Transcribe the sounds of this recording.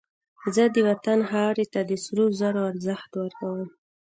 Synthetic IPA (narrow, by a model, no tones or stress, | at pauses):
zəd̪əwat̪anɦɑɾet̪ad̪əsɾozaɾoaɾzəxt̪wəɾkawəm